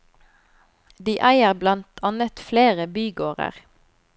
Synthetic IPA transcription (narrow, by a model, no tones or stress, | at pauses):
d̪iːʔæɪəʁblɑnt̪ʰɑnət̪fleːʁəbyːɡoːʁə̰ʁ